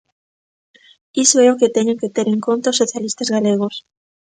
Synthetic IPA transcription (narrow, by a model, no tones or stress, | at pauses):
isoeoket̪eɲeŋket̪eɾeŋkont̪aosːoθjalist̪azɣaleɣ̞os